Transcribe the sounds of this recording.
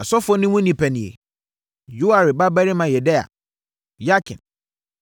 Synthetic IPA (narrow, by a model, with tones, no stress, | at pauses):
a˨sɔ˦fɔ˦nʊ̃˦wʊ̃˦nĩ˨pʰæ˨nĩ˨ḛ˨ | jo˦a˨ɾɪ˨ba˦bɛ˦ɾɪ˦mã˨jɛ˨dɛ˦a̰˨ | ja˦kʰɪ̰̃˨n